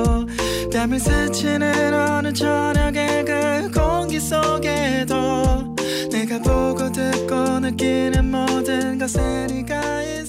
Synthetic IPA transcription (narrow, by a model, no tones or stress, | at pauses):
pjamis͈ʰɯt͡ɕʰinɯɾʌnɯnt͡ɕʰʌɲjʌɡeɡɯɭkoŋɡis͈oɡe̞do | ne̞ɡapoɡodɯk͈onɯk͈inɯnmodɯnɡʌsʰɯɲik͈a | i